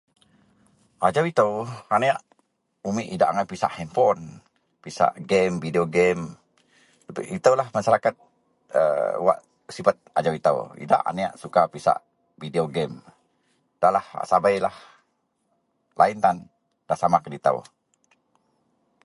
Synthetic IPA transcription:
ʔad͡ʒawit̪əwaneaʔ | umiʔidaʔaŋajpisa̰ʔhɛmpɔn | pisa̰ʔɡɛmvideoɡɛm | bʔit̪əwlahmasaɾakat̪̚ | ə̰wa̰ʔ | sifat̪̚a̰d͡ʒawit̪ə̰wḭda̰ʔa̰nea̰ʔsukapisa̰ʔ | videoɡɛm | d̥aʔlaha̰ʔsabajlah | laint̪an | d̥asamakədit̪ə̰w

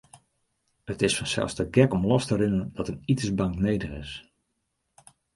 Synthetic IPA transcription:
ətɪsfɑnsɛ̰lˠsdəɡɛkɔmlɔstəɾɪnəndɑtənitəsbɑŋknejdəχɪ̰s

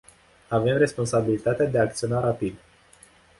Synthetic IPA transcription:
ave̞mre̞spo̞nsabilit̪at̪ead̪eaːk̚t̪sio̞naɾapid̪

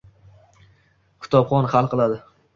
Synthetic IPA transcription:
kʰʊ̥t̪ʰɒpχɒnhalˠqɨlˠad̪ɪ

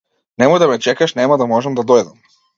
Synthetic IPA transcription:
nɛmɔjd̪amɛt͡ʃɛkaʃnɛmad̪amɔʒɛmd̪ad̪ɔjd̪am

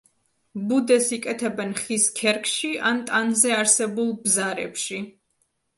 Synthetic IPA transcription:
bud̪ɛsikʼɛt̪ʰɛbɛnχiskʰɛɾkʰʼʃiʔant̪ʼanzɛaɾsɛbulˠbzaɾɛ̰pʃi

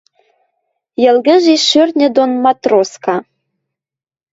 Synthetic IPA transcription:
jə̆lɣə̆ʒiʃørʲnʲɘ̆d̪onmɑt̪roskɑ

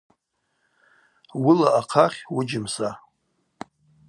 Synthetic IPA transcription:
wʊlaʔaqʰaχʲwʊd͡ʒɪmsa

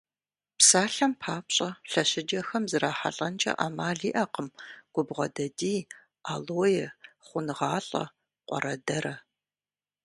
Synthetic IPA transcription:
psaːɬɐmpʰaːpɕʼɐɬɐɕɪd͡ʒɐxɐmzɨraːħa̰ɬʼɐnt͡ʃʼɐ̰ʔa̰ːmaːɮiːʔɐqəmɡ̥ʷʊbʁɐ̰dɐdiː | aːloːjɛχʷʊnʁɑːɬʼɐ̰ | qʷʼɔ̰ɾɐdɐɾɐ

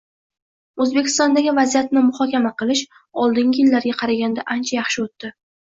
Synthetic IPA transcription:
ɵzbekʲʰɪ̥st̪ɒnd̪aɡʲɪvazijat̪nɪmʊχɒkʲamaqɨlˠɪʃ | ɒlˠd̪ɪŋɡʲɪjɪlːaɾɡʲaqʰɑɾaɡʲand̪aʔant͡ʃʰajɑχʃɪot̪ːɪ

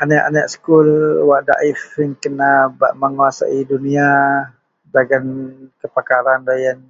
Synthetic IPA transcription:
ʔanaʔa̰naʔsə̥kulwaʔda̰ʔifəŋkənaba̰ʔməŋuasa̰ʔidunia | daɡankəpakaɾandajan

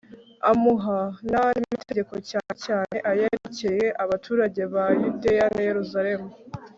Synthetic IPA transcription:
amuɦananimmiteɟe̞ko̞caːnecaːne̞ʔajeɾeceje̞ʔaβatʰuːɾaɟe̞βajude̞janaje̞ɾuzaɾe̞mu

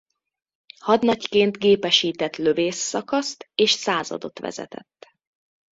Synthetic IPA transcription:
hɒd̪nɒckeːnt̪ɡeːpɛʃiːt̪ɛt̪løveːsːɒkɒst̪eːʃsaːzɒ̰d̪o̞̰t̪ʋɛ̰zɛ̰t̪ɛ̰t̪ː

